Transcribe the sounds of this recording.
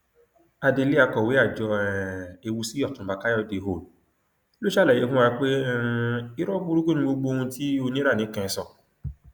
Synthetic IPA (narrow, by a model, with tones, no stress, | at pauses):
a˧de˧le˦a˧kɔ˨we˨˦a˦˨d͡ʒɔ˧ɛɛ˨e˧wu˧si˦ɔ˦˨tũ˨˦ba˨ka˦ɔ˦˧˨de˨˦ɦo˨l | lo˦ʃa˦˨lɛ˨je˨˦fũ˦ã˧k͡pe˦˧i˦ɾɔ˦bu˦ɾu˦ɡu˦nĩ˧ɡ͡bo˧ɡ͡bo˧˦˧ũ˧ti˦o˧nĩ˦ɾa˦˨nĩ˨˦kɛ̃˧sɔ˨